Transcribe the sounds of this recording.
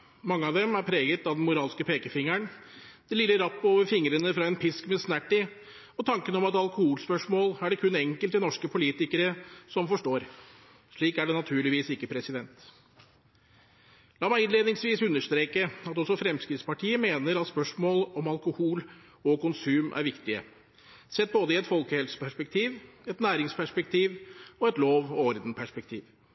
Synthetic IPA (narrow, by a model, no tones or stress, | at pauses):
mɑŋːəɑʋd̪ɛmæɾpʰɾeːɡət̪ɑd̪ɛnmʊɾɑːlskəpʰeːkəfɪŋːəɳd̪̥ɛlɪlːəɾɑpːoːʋəɾfɪŋəɾənəfɾɑɛnpʰɪskmɛsnæʈːɪ | ɔt̪ʰɑŋkənɔmɑt̪ɑlkʊhuːlspœʂmoːlæɖɛkʰʉnɛŋkəlt̪ɪnɔʂkəpʰʊliːt̪ɪkəɾəsɔmfɔʂʈoːɾ | ʂɭiːkæɖɛnɑt̪ʰʉːɭɪʋiːsɪkːəpʰɾɛsɪd̪ɛnt̪ | lɑːmæɪɪneːd̪nɪŋsʋiːsʉnːəʂt̪ɾeːkəɑt̪ɔsɔfɾɛmskɾɪt̪spɑʈʰiːəmeːnəɾɑt̪spœʂmoːlɔmɑlkʊhuːl | ɔkʰʊnsʉːmʔæ̰ɾʋɪkt̪ɪə̰ | sɛt̪̚ːboːd̪əɪɛt̪fɔlkəhɛlsə̥pʰæʂpɛk̚t̪ʰiːʋɛt̪næːɾɪŋspʰæʂpɛk̚t̪ʰiːʋɔɛt̪loːʋɔɾd̪npʰæʂpɛk̚t̪ʰiːʋ